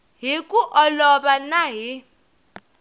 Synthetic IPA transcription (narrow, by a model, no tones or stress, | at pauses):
ɦikʼuʔɔlɔɓanaɦi